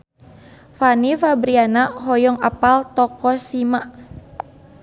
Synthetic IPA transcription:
fanifabɾianaɦɔjɔŋa̰palt̪ɔkɔsima

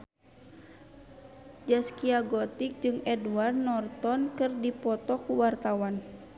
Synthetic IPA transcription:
d͡ʒaskiaɡɔt̪ik̚d͡ʒɨŋɛdward̪nɔrt̪ɔnkɨrdipɔt̪ɔkuwart̪awan

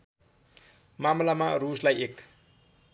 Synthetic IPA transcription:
mamlamaruslajek

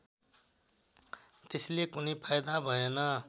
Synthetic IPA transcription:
t̪esilekunijpʰajd̪abʱʌenʌ

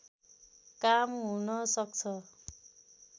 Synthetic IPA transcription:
kamɦunʌsʌk̚t͡sʰʌ

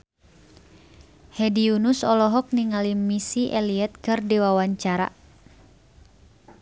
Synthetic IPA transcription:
hɛdiunusɔlɔɦɔk̚niŋalimisiʔɛliɛt̪̚kɨrdiwawaɲt͡ʃaɾa̰

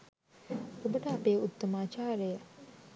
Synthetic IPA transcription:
ubɐʈaɐpeːut̪ːɐmaːt͡ʃaːɾejɐ

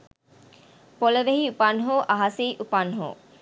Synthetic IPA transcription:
poleʋeɦiupanɦoʔaɦasejʔupanɦo̰

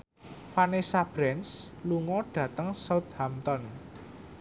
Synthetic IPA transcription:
fanesab̥ɾɛnsluŋɔɖ̥ä̤t̪əŋsawt̪̚hamt̪ɔn

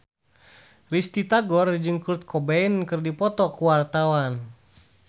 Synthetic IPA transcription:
rist̪it̪aɡɔrd͡ʒɨŋkurt̪̚kʰɔbɛinkɨrdipɔt̪ɔkuwart̪awan

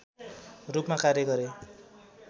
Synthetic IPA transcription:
rupmakarjʌɡʌɾe

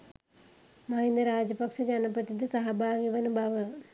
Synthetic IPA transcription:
mɐɦind̪ɐɾaːd͡ʑɐpɐkʂɐd͡ʑɐnɐpɾɐt̪id̪isɐɦɐbʱaːʋiʋɐnubʱaːʋɐ

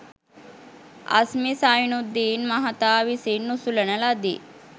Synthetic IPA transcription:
ɐ̰smisajunud̪ːiːnmɐɦat̪aːʋisinːusulənəlad̪ḭ

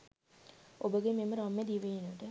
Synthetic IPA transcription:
obəɡememəɾamːed̪iʋejinəʋəʈə

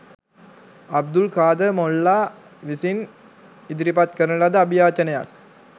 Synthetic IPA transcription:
ɐb̚d̪ulkaːd̪ɐmɔlːaː | ʋisin | ɪd̪ɾipat̪̚kɐɾɐlɐd̪ɐbijaːt͡ʃɐnɐja̰ːk

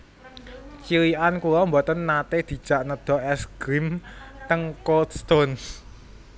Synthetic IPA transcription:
t͡ʃiliʔankulɔmbɔt̪ənːat̪ed̪̥i̤d̥ʒ̥a̤ʔnəd̪̥ɔ̤ɛsɡ̥ɾimt̪əŋkold̪st̪on

